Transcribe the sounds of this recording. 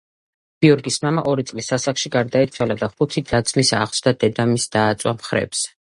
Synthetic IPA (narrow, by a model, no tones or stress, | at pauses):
ɡ̥iɔɾɡismamaʔɔɾit̪sʼlisasakʃiɡaɾd̪ait̪sʰwalad̪aχut̪ʰid̪at̪sʰmisa̰ʁsd̪ad̪ɛd̪amisd̪̥aːt̪sʼwamχɾɛ̰ps